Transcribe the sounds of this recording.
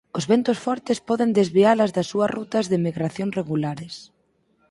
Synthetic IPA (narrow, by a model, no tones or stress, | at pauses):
ʊzβent̪ʊsfɔɾt̪ɪspɔðɪnd̪ezβialɐzðɐsːuɐrut̪ɐzðɪmiɣɾaθjõŋsreɣulaɾɪs